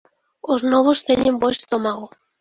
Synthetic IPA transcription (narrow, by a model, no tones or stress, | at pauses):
oznɔβost̪eɲẽmboest̪omaɣo